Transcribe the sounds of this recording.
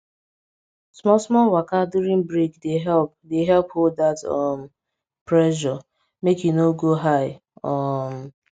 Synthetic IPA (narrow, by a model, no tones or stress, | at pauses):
smɔsmɔlwakaduɾĩŋbɹikdeɦɛlp̚deɦɛlphold̚datɔm̩ | pɹɛʃ̬ɔ | mekjunoɡoɦaɪ | ɔm